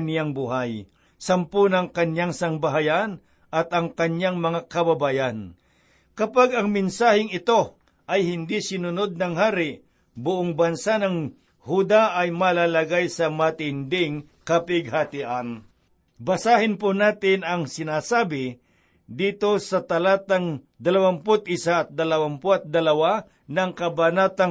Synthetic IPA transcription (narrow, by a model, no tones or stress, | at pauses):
njaŋbʊɦaj | sɐmpʊnɐŋkɐɲjaŋsɐŋbaɦajan | ʔɐt̪ɐŋkɐɲjaŋmɐŋakɐbɐbaːjan | kɐpaɡɐŋmɪnsaːhɪŋɪt̪o̞ | ʔɐjhɪnd̪ɪsɪnʊnod̪̚nɐŋhaːɾɪ | bʊʔoŋbɐnsanɐŋ | hud̪aʔɐjmɐlaːlɐɡajsɐmɐt̪ɪnd̪ɪŋ | kɐpɪɡ̚hat̪ɪʔan | bɐsaːhɪnpʊnaːt̪ɪnɐŋsɪnaːsaːbɪ | d̪iːt̪o̞sɐt̪ɐlaːt̪ɐŋ | d̪ɐlɐwampʊt̪̚ɪsaɐt̪̚d̪ɐlɐwampʊʔɐt̪̚d̪ɐlɐwa | nɐŋkɐbanaːt̪ɐŋ